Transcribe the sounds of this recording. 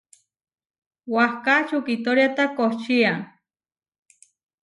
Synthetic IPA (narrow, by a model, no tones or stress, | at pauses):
wahkat͡ʃukit̪oɾjat̪akoht͡ʃiaŋ